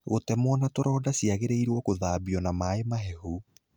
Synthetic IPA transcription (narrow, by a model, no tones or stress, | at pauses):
ɣotɛmɔnatoɾɔːdasiaɣeɾeiɾwɔkoðaːbiɔnamaemaɦɛhu